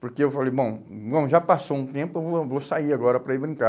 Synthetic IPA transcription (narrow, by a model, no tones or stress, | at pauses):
poɾkeewfalejbõw̃ɡɐ̃w̃ʒapasoũt̪ẽpʊeovosaiaɡɔɾɐpɾɐibɾĩka